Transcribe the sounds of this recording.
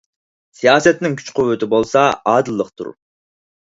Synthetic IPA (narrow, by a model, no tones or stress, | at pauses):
sijɑːsɛt̪nɪŋkʲʰy̥t͡ʃqʰʊwːyt̪ɪbolˠsɑɑːd̪ɨlˠːəqt̪ʰṵɾ